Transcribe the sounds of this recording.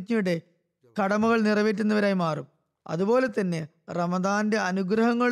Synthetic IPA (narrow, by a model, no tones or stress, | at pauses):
kɲujuɽe̞ | kɐɽɐmɐɣɐɭnirɐʋeːt̬ːunːɐʋɐɾaːjmaːrṵm | ɐ̰ðubo̞ːle̞t̪ɐnːe̞ | rɐmɐðaːnde̞ɐnuɡɾɐɦɐŋːɐɭ